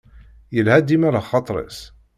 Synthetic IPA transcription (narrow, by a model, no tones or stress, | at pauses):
jəlhæd̪imæɾaχɑt̪ˤɾˤḛs